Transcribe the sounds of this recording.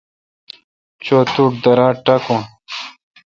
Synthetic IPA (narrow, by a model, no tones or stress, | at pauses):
t͡ɕoːt̪uːʈ̚d̪ɐɾãːʈɐkõ